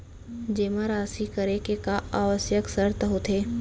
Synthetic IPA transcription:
d͡ʒeːmaɾaːsikəɾekekaaːʋəsjəksəɾt̪əɦot̪ʰeː

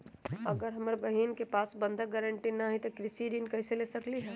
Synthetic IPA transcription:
ɐɡəɾɦɐməɾbɐɦiːnkepaːsbə̃nd̪aɡɛɾəɳʈinaɦĩt̪okɾɪsiɾiːnkɐɪseleːsɐkliɦɛ̃ː

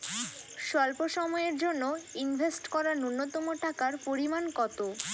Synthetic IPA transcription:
ʃɔlpoʃɔmɔeɾd͡ʑonːoinbʱesʈkɔɾanunːot̪omoʈʰakaɾpoɾimankɔt̪o

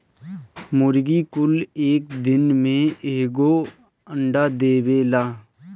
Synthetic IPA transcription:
mʊɾɡikʊleːkd̪ɪnmẽeːɡo | ə̃ɳɖaːd̪eːweːlaː

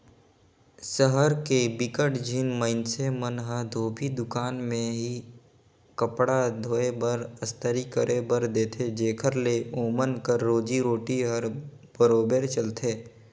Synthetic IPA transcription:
səɦəɾkebɪkəʈd͡ʒʱinməɪnsemənɦəd̪ʱoːpʰid̪ʊkaːnmẽɦi | kəpɽad̪ʱoːebəɾəst̪əɾikəɾʔebəɾd̪eːt̪ʰed͡ʒeːkʰəɾleoːmənkəɾːoːd͡ʒiɾoːʈiɦəɾ | b̥əɾoːbeːɾt͡ʃəlt̪ʰeː

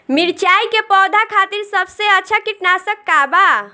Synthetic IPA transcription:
miɾt͡ʃajkepɔːd̪ʱakʰat̪iɾsəbʱseətːt͡ʃʰakiʈnasəkːaba

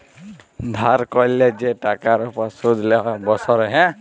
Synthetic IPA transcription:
d̪ʱaɾkɔlɛd͡ʒɛʈakaɾɔpɔsud̪ʱlɛɦɔbɔsɔɾɛɦɛ̃

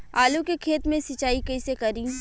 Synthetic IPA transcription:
aːlukekʰeːt̪mẽsɪt͡ʃaːikɐisekɐɾĩː

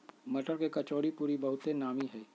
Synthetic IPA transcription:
mɐʈəɾkekɐt͡ʃoːɽipuːɾibɐɦʊt̪enaːmiɦɛː

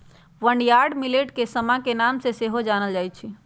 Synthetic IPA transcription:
ʋəɳɖjaɾɖmileʈkesəmãkenamseseɦod͡ʒanəld͡ʒajt͡ʃʰi

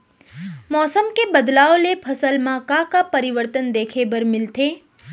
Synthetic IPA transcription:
mɔːsəmkebəd̪laːolepʰəsəlmãkakapəɾiʋəɾt̪ənd̪eːkʰebəɾmɪlt̪ʰeː

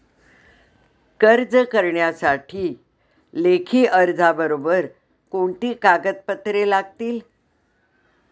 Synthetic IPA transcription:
kəɾd͡zəkəɾɳjasaʈʰiː | lekʰiːʔəɾd͡zʱabəɾobəɾ | koɳt̪iːkaɡət̪̚pət̪ɾelaɡ̚t̪iːl

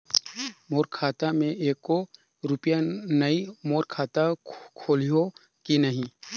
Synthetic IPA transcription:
moːɾkʰaːt̪amẽʔeːkːo | ɾʊpjanɐimoːɾkʰaːt̪akʰoːlijo | kinɐɦĩ

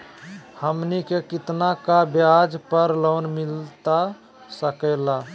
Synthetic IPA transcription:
həmnikekit̪nakabjad͡ʒpəɾloːnmilt̪a | səkəɪla

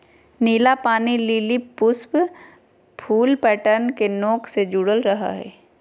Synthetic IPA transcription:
niːlapaːniliːlipʊsb | pʰuːlpɛːʈəɾnkenoːksed͡ʒuːɽəlɾɐɦa̰ɦɛ̰ː

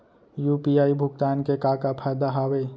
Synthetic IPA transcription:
juːpiaːibʱʊɡt̪aːnkekaːkapʰaːjd̪aɦaːwe

